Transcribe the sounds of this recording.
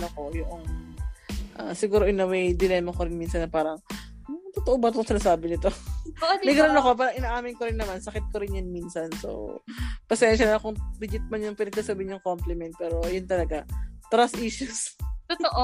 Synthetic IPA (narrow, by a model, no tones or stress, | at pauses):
noko̞jʊʔoŋ | ʔa̰sɪɡuːɾo̞ʔɪnɐwɛjd̪ɪlɛːmɐkoɾɪnmiːnsɐnːɐpaːɾɐŋ | t̪ot̪oʔobɐt̪oŋsɪnaːsaːbɪnɪt̪o̞ | mɛɡɾɐnoko̞paːɾɐŋʔɪnaːʔaːmɪnkoɾɪnːɐmansɐkɪt̪̚koɾɪnjɐnmiːnsɐnso̰wpɐsɛnʃɐlnɐkʊŋbɪd͡ʒɪt̪̚mɐnjʊŋpɪnɛɡ̚sɐsɐbɪɪnɲːʊŋkomplɪmɛnt̪̚pɛːɾo̞jʊnt̪ɐlɐɡat̪ɾasʔiʃʊstoʔ